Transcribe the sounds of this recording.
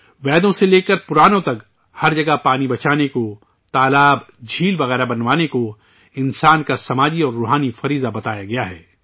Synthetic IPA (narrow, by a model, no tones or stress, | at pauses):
ʋɛːd̪õseleːkɐɾpʊɾaːnõt̪ɐk | hɐɾd͡ʒɐɡapaːnibɐt͡ʃaːneko | t̪aːlaːbd͡ʒʱiːlbɐɣɛːɾabɐnʋaːneko | ɪnsaːnkasɐmaːd͡ʒiɔːɾːoːɦaːnifɐɾiːzabɐt̪aːjaɡɐjaɦɛː